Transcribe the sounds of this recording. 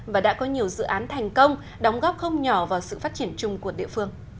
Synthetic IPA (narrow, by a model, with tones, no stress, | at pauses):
vaː˨˩ɗa̰ː˧˥kɔ˨˦ɲi˨˩əwzɨ̰˧˨ʔaː˨˦nt̪ʰa˨˩jŋ̟kə˧wŋ͡m | ɗa˨˦wŋ͡mɣɔ˦˥p̚xə˧wŋ͡mɲɔ˧˩vaː˨˩wsɨ̰˧˨faː˦˥t̚t͡ɕi˧˩ənt͡ɕʊ˧ŋ͡mku˧˩əɗḭ˧˨əfɨ˧əŋ